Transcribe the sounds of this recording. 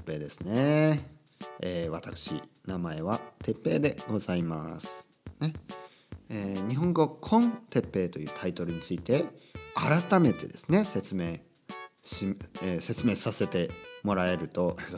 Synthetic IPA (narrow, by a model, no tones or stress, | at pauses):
pːe̞ːd̪e̞sɨ̥ne | eːβat̪akɯ̟̥ɕḭnamae̞β̞at̪e̞pːe̞ːd̪e̞ɡ̥o̞zaimasɨ̥ | ne | eːɲ̟iɦõ̞ŋɡo̞kʰõ̞nt̪e̞pːe̞ːt̪o̞jɯ̟ːt̪ʰait̪o̞ɾɯ̟ɲ̟it͡sɨit̪e̞aɾat̪ame̞t̪e̞̰d̪e̞sɨ̥ne̞se̞t͡sɨme̞ː | ɕiese̞t͡sɨme̞ːsase̞t̪e̞mo̞ɾae̞ɾɯ̟t̪o̞e